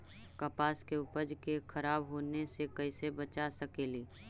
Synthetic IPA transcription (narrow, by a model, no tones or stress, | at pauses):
kɐpaːskeʊpəd͡ʒkekʰɐɾaːbɦoːnesekɐɪsebət͡ʃasəkeːliː